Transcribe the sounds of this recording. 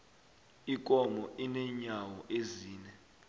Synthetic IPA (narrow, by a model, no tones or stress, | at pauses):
ik̬ʼɔmɔʔinɛɲawɔʔeziːnɛ